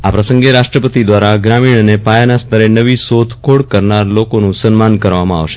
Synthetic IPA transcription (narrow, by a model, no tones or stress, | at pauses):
apɾəsəŋɡeɾaʃʈɾəpət̪id̪ʋaɾaɡɾamiɳ̃ənepajanast̪ʰəɾenəʋisot̪kʰoɽkəɾnaɾlokonũsənmankəɾʋamãa̰ʋʃe̥